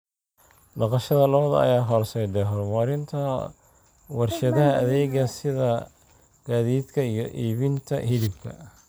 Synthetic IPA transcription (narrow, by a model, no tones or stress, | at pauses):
nɑqɑʃɐðɐlɐβɐðɐ̰ɐ̰jaːɦɔːrsɛjd̪ɛɦɔrmɐɾɪnt̪ʰɐ | wɑrʃɐðɐɦɐɐðɛːɣɐsɪðɐ | ɡ̥aːðiːd̪kʰɐijɞʔiːβɪnt̪ʰɐ̰hɪlɪb̚kʰɐ̰